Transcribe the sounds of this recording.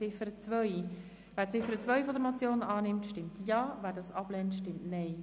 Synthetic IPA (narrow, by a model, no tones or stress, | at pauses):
ɪfəɾət͡svœʏ | væːɾt͡sɪfəɾət͡sʋœʏfɔd̪əɾmot͡sjoːnɑːnɪmtʃtɪmtjɑːvæːɾdɑsɑblɛːntʃtɪmtnɛɪ